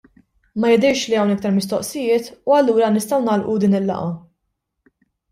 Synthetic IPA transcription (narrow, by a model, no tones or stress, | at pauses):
mɐjɛd̪ɛjʃliɐwnɪk̚t̪ɐɾmɪst̪ɔʔsɪjɪːt̪uɐlːuːɾɐnɪst̪ɐwnɐːlʔud̪iːnɪlːɐ̰ʔɐ